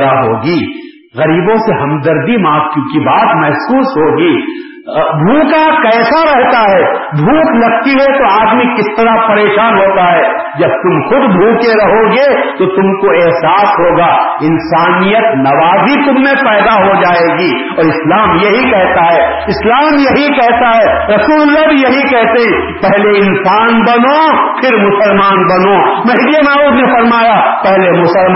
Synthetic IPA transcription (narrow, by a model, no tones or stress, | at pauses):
aɦoːɡiː | ɣɐɾiːbõseɦɐmd̪ɐɾd̪imãːt̪kjõːkibaːt̪mɛɦsuːsɦoːɡiː | bʱuːkakɛːsaɾɛɦt̪aɦɛːbʱuːklɐɡ̚t̪iɦɛt̪oaːd̪mikɪst̪ɐɾapɐɾeːʃaːnɦoːt̪aɦɛː | d͡ʒɐb̚t̪ʊmxʊd̪bʱũːkeɾɐɦoːɡet̪ot̪ʊmkoeɦsaːsɦoːɡaːɪnsaːnijət̪nɐʋaːzit̪ʊmːẽpɛːd̪aɦod͡ʒaːeːɡiː | ɔːɾɪslaːmjɐɦikɛɦt̪aɦɛː | ɪslaːmjɐɦikɛɦt̪aɦɛːɾɐsuːllːabʱijɐɦikɛɦt̪eɦɛ̃ | pɛɦleɪnsaːnbɐnopʰɪɾmʊsəlmaːnbɐnomɐɦd̪ijənaːuːd̪nefɐɾmaːjapɛɦlemʊsəl